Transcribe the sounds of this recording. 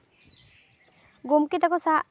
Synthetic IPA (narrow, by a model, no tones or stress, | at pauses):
ɡumkit̪akɔsa